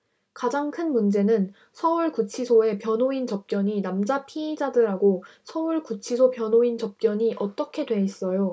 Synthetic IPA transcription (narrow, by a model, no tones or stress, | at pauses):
kad͡ʑaŋkʰɯnmund͡ʑe̞nɯn | sʰʌuɭkut͡ɕʰisʰoe̞pjʌnoint͡ɕʌp̚k͈jʌɲinamd͡ʑapʰiːd͡ʑadɯɾɦaɡosʰʌuɭkut͡ɕʰisʰopjʌnoint͡ɕʌp̚k͈jʌɲiʔʌt͈ʌkʰe̞dwe̞is͈ʌjo